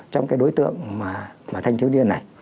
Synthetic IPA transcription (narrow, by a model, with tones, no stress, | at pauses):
t͡ɕɔ˧ŋ͡mkaː˨˦jɗo˨˦jt̪ɨ̰˧˨əŋmaː˨˩maː˨˩t̪ʰjŋʰi˨˦wɗi˧əna˨˩j